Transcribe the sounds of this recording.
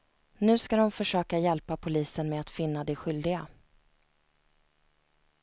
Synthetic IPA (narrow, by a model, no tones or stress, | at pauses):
nʉ̟ːskad̪ɔmfœʂøːkajɛlpapʰʊliːsənmɛat̪fɪnːad̪ɛɧʏld̪ɪɡa